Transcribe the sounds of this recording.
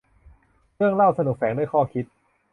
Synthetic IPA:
ɾɯ˥˩əŋla˥˩wsa˧nu˨˩k̚fɛː˩˦ŋdu˥˩˨jkʰɔː˥˩kʰi˦˥t̪̚

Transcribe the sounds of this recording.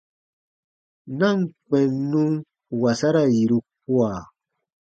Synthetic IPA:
nã˦˨ŋk͡pɛ̃˨nːũ˦ŋ | wa˨sa˦ɾa˦ji˨ɾu˦k̚u˦a˨

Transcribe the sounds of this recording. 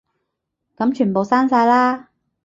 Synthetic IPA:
ka˨˧˥mt͡ɕʰy˨˩nbo˨˩wsaː˧˥nsaː˧jlaː˧˩

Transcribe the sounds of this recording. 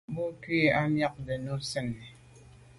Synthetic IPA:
bo˦kɥi˦a˦mja˦k̚de˨no˦sɛ˦nː˨

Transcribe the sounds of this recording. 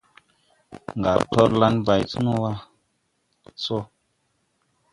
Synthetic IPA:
ŋ˨ɡa˨ɾtɔ˦ɾla˧˦nba˨jt͡su˦no˦wa˦ | t͡so˦

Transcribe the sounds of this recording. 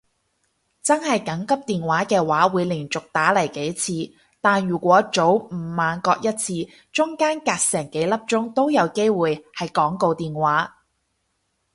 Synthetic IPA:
t͡sɐ˥nhɐ˨jkɐ˨˥ŋkɐ˥p̚t̪iː˨nwaː˨˥kɛː˧waː˨˥wuː˨˧jlɪ˨˩ŋt͡sʊ˨k̚t̪aː˨˥lɐ˨˩jke˨˥jt͡sʰiː˧ | t̪aː˨nɥyː˨˩kʷɔː˨˥t͡so˨˥wm̩˨˩maː˨˧nkɔː˧k̚jɐ˥t̚t͡sʰiː˧ | t͡ʃʊ˥ŋkaː˥nkaː˧k̚sɛː˨˩ŋke˨˥jlɐ˥p̚t͡ʃʊ˥ŋt̪o˥wjɐ˨˧wke˥jwuː˨jhɐ˨jkɔː˨˥ŋko˧wt̪iː˨nwaː˨˥

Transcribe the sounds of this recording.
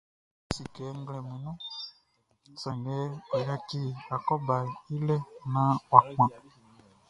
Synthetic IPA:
si˨kɛ˨˦ŋ˦ɡlɛ˨mu˨nũ˦ | sɛ˨n˨dɛ˨˦i˨la˦ki˦a˨kɔ˦ba˨i˦lɛ˦na˦wa˨kã˨

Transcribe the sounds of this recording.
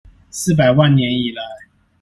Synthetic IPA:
sɹ̩˥˨p̬a˨˩ɪwa˥˨nnjɛ˧˥ni˨˩la˨˦ɪ

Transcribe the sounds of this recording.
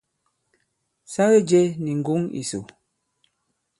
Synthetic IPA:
sa˦ɣe˦d͡ʒɛ˦ni˨ŋ̩˨ɡu˦ŋḭ˨so˨

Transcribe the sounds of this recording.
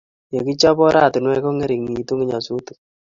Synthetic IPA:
je˨ki˦t͡ʃa˦pɔ˦ɾa˦˨ti˨nwɛ˦kɔ˦ŋɛ˦ɾi˨kŋi˨˦tu˦ŋi˦ɲa˨su˦tu̥˨

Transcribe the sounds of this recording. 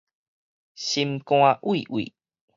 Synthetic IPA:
ɕi˧mkw̃a˦ʔwi˨ʔwḭ˨

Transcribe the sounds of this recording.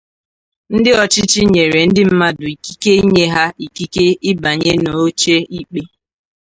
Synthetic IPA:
n̩˦dɪ˦ɔ˨t͡ʃɪ˦t͡ʃɪ˦ɲe˨ɾe˨n̩˦dɪ˦m̩˦ma˦dʊ˨i˨ki̥˦ke˦i˦ɲe˦ɦa˦i˨ki˦ke˦ɪ˦ba˨ɲe˦no˨o˦t͡ʃe˦i˦k͡pe˦

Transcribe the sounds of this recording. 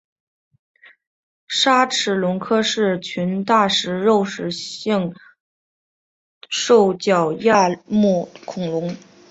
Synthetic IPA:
ʂa˥ʈ͡ʂʰɻ̩˧˥lʊ˧˥ŋkʰɤ˥ʂɻ̩˥˩t͡ɕʰy˧˥nt̪a˥˩ʂɻ̩˧˥ɻo˥˩ʊʂɻ̩˨˩ɕi˥˧ŋ | ʂo˥˩ʊt͡ɕjɑ˨˩ʊja˥˧mu˥˩kʰʊ˨˩ŋlʊ˧˥ŋ

